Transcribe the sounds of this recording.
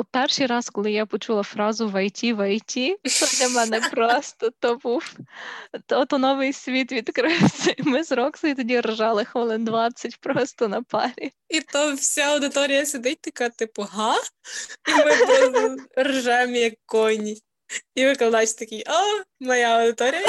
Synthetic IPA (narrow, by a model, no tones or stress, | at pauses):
pɛrʃijɾɑskɔlˠɪjapɔt͡ʃulˠɐfɾɑzʊʋɐjtʲiʋɐjtʲit̪ɔdʲlʲɐmɛnɛpɾɔst̪ɔt̪ɔbuw | t̪ɔt̪ɔnɔʋɪjsʲʋʲit̪ʋʲid̪kɾɪwsʲɐimɪzɾɔksˠɐit̪ɔdʲirʒɑlˠɪxʋɔlˠɪnd̪ʋɑt͡sʲɐtʲpɾɔst̪ɔnɐpɑ̰ɾʲi | it̪ɔwsʲaɐwd̪ɪt̪ɔɾʲijɐsʲed̪ɪt̚ʲt̪ɐkɑt̪ɪpʊɦɑ | imɪ | rʒɛemjɐkːɔnʲi | iʋɪklˠɐd̪ɑt͡ʃt̪ɐkʲijɔmɐjaɐwd̪ɪt̪ɔɾʲijɐ